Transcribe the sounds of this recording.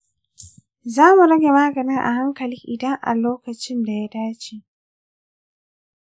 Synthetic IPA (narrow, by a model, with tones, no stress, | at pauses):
zaː˦mu˨ɾɐ˦ɡʲe˨ma˦ɡɐ˨nɪ˦ŋʔa̰˨ha˦ŋkɐ˨lɪ˦ŋʔɪ˨dɐ˦ŋʔa̰˨loː˦kɐ˨t͡ʃɪ˦nda˨ja˦daː˦t͡ʃe˨ʔ